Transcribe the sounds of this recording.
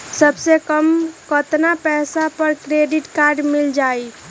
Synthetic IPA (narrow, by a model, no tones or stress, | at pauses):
səbsekəmkət̪napɛːsapəɾkɾeɖiʈkaɾɖmild͡ʒaj